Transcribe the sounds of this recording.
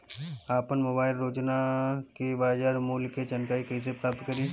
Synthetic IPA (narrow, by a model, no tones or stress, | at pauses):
aːpənmoːbaːɪlɾoːd͡ʒnakiʋaːd͡ʒaːɾmuːlket͡ʃɐnkaːikɛis̬epɾaːp̚t̪kəɾiː